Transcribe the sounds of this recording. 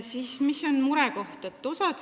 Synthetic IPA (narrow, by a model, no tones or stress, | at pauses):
siːsmiso̞nmuɾɛko̞ht̪et̪ːosɑt̪